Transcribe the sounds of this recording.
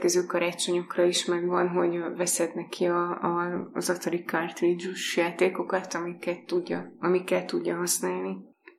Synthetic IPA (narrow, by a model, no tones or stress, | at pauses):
kɛzøːkɒɾaːt͡ʃo̞ɲo̞krɒiʃmɛɡvɒnɦo̞ɟvɛsɛd̪nɛkʰiɒ | zɒt̪ɒɾikart̪rid͡ʒuʃjaːt̪eːko̞kɒt̪ɒmikːɛt̪ːuɟːɒɒmikːɛlt̪uɟːɒɦɒsnaːlni